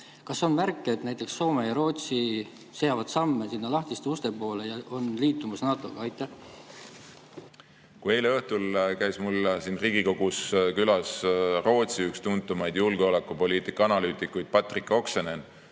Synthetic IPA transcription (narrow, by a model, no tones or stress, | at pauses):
kɑso̞nmærkːˑeet̪næjt̪ːˑe̞ksːo̞ːmejɑɾo̞ːt̪si | se̞jɑvɑd̪̥sɑmːesinːɑlɑht̪ist̪ust̪e̞po̞ːle̞jɑo̞nliːt̪ːˑumɑsnɑːt̪ˑo̞ɡ̥ɑɑjt̪ːˑɑh | kue̞jleɤht̪ulkæjsmulsinriːɡ̥iko̞ɡ̥uskylɑsro̞ːt̪siykst̪unt̪ːˑumɑjd̪julɡ̥eo̞lekːˑupo̞liːt̪ˑikːˑɑɑnɑlyːt̪ˑikːˑujd̪̥̚pɑt̪ˑrikːˑo̞ksenen